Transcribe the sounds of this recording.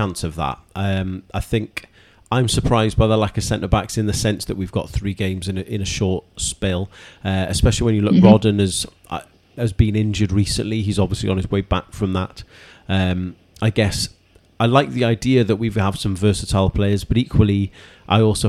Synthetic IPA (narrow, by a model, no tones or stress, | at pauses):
ãnsəvðə̰t̚ʔʌ̃maɪθɪ̃ŋk | ãɪ̃msəpʰɹ̥aɪzd̚baɪðəlaɪkəsɛ̃ntəbaksɪ̃nðəsɛ̃nsðəʔwivɡɒ̰t̪θɹiːɡẽɪ̃mzɪ̃nəʔɪ̃nəʃɔˑtspɪlˠʌɪspɛʃəl̩ˠiwə̃njəlʊk̚ɹɔdⁿn̩əz̥̰ | əzbĩnɪ̃nd͡ʒədɹiˑsə̰̃nʔliizɒbviəsliə̃nɪzweɪba̰kfɹə̃mðət | ʌ̃m | aɪɡɛs | aɪlaɪk̚ðiaɪdiəðəʔwiv̥əv̥sə̃ɱvɜˑsətʰaɪlˠpʰl̥eɪəzb̥ʌɾiˑkʰwəlˠi | ʔa̰ɪɔˑlˠsoʊ